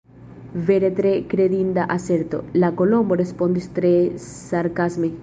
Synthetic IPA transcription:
veɾet̪ɾekɾeðind̪aʔaseɾt̪o̰lakolomborespond̪ist̪ɾesaɾkazme

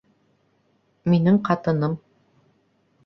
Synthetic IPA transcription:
minɘŋqɑt̪ɤ̆nɤm

